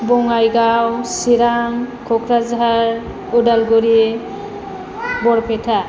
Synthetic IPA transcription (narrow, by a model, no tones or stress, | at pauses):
bɔŋajɡawsiɾaŋkʰɔkʰɾazɦaɾ | udalɡuɾi | bɔɾpʰɛtʰa